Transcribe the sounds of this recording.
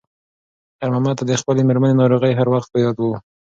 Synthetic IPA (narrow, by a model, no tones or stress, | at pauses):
aɾmamat̪ad̪əxpəlemeɾmənenɑɾoɣəjɦaɾwaxt̪̚pəjɑd̪wu